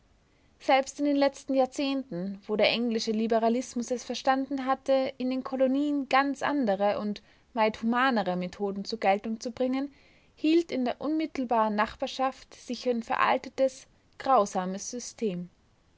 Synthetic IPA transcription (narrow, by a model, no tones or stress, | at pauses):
z̥ɛlpstɪndeːnlɛt͡stn̩jaːɐt͡seːntn̩voːdeːɐʔɛŋlɪʃəlibəʁalɪsmʊsɛsfɛɐʃtandn̩ɦatəʔɪndeːnkʰoloniːənɡ̥ant͡sʔa̰ndəʁəʔʊnt | maɪthumaːnəʁəmetʰoːdn̩t͡suːɐɡɛltʊŋt͡subʁɪŋən | hiːltɪndeːɐʔʊnmɪtl̩baːʁənːaχb̥aːɐʃaftz̥ɪçɐnfɛɐʔa̰ltətəs | ɡ̥ʁaʊzaːməsz̥ʏstʰeːm